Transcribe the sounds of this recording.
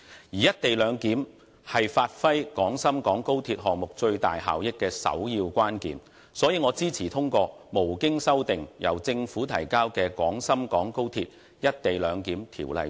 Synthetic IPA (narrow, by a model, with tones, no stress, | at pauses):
jiː˨˩jɐ˥t̚t̪e˨jlœː˨˧ŋkiː˨˥m | hɐ˨jfaː˧t̚fɐ˥jkɔː˨˥ŋsɐ˥mkɔː˨˥ŋko˥wt̪ʰiː˧t̚ɦɔː˨ŋ̚mʊ˨k̚t͡ʃɵ˧ɥt̪a̰ː˨jɦa̰ː˨wjɪ˥kːɛː˧sɐ̰˨˥wjiː˧wkʷaː˥nkiː˨n | sɔː˨˥jiː˧ŋɔː˨˧t͡siː˥t͡sʰiː˨˩t̪ʰʊ˥ŋkɔː˧ | mo˨˩wkɪ˥ŋsɐ˥wt̪ɪ˨ŋjɐ̰˨˩wt͡sɪ˧ŋfuː˨˥t̪ʰɐ˨˩jkaː˥wkɛː˧kʷɔː˨˥ŋsɐ˥mkɔː˨˥ŋko˥wt̪ʰiː˧t̚ | jɐ˥t̚t̪e˨jlœː˨˧ŋkiː˨˥mt̪ʰḭː˨˩wlɐ̰˨j